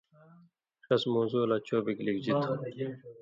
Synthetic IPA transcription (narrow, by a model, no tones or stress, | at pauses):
ʂɐsmoːzuːlaːt͡ɕoːbiklikd͡ʑit̪ʰː